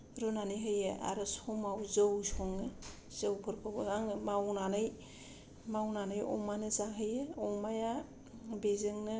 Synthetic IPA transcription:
ɾunanɯjɦɯjɯʔa̰ɾɯsɔmawzɯwsɔŋɯ | z̥ɯwpʰɯɾpʰɯbɯaŋɯmawnanɯj | mawnanɯjɔ̰wmanɯzaŋɦɯjɯɔwmaja | bezɯŋnɯ

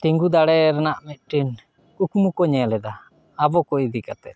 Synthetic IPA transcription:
t̪iŋɡud̪aɽɛɾɛnaʔmɛt̪̚ˀʈin | ukmukɔɲɛlɛd̪aː | bɔkɔid̪ikat̪ɛ

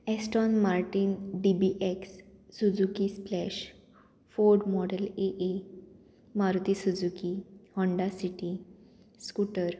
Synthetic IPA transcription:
esʈɔnmaɾʈinɖibiʔeksːud͡zukisplɛɕ | foɾɖmɔɖəleʔe | maɾut̪isud͡zukihɔ̃ɳɖasiʈi | skuʈəɾ

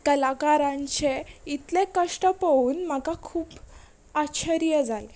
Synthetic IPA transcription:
kəlakaɾãɲt͡ɕeit̪lẽkəʂʈəpəʋuːnm̤akakʰuːp | aɕʰəɾijəd͡zale

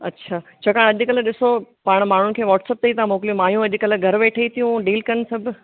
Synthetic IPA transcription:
ɐtːɕʰaːt͡ɕʰɐkaːɽ̃ɐʄkɐlɗɪsopaːɽ̃maːɳ̤ʊn̆kʰeːʋɔːʈseːp̚t̪eit̪ɐãmoːkɪlijũmaːjũɐʄ̆kɐl̆ɡʱɐɾʋeːʈʰəit̪ʰijũɖiːlkɐnsɐbʱ

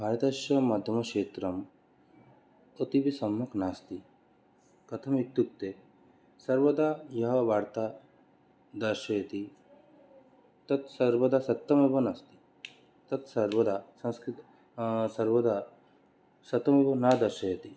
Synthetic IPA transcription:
bʱaːɾɐt̪ɐʃjɐmɐd̪ʱɐmɐkʂeːt̪ɾɐm | ot̪ibisɐmːɐknaːst̪i | kɐt̪ʰɐmit̪juk̚t̪e | sɐɾʋɐd̪aːjɐɦɐʋaːɾt̪a | d̪ɐɾʃɐjɐt̪i | t̪ɐt̪sɐɾʋɐd̪aːsɐt̪ːɐmebɐnast̪i̥ | t̪ɐt̪sɐɾʋɐd̪aːsɐ̃nskɾit̪ | sɐɾʋɐd̪a | sɐt̪ːɐmebɐnaːd̪ɐɾʃɐjɐt̪i

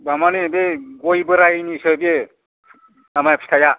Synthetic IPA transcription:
bamanebeɡojbɯɾajnisɯbe | amajapʰi̥tʰaja

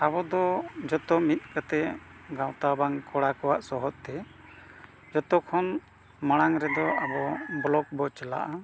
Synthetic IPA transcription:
abɔd̪ɔd͡ʒɔt̪ɔmit̪̚ˀkat̪ɛʔɡawt̪abaŋkɔɽakɔwaʔsɔɦɔt̪̚t̪ɛ | d͡ʒɔt̪ɔkʰɔn | maɽ̃aŋɾɛd̪ɔabɔblɔk̚bɔt͡ʃɛla̰ʔa

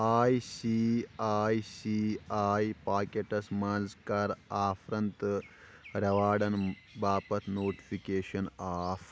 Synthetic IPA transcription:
aːjsiaːjsiaːjpaːkeʈɐsmɐːnzkaɾaːfʰɾɐnt̪ | ɾɐʋaːɽɐn | baːpɐt̪ʰnoːʈi̥pʰikeːʃɐnaːf

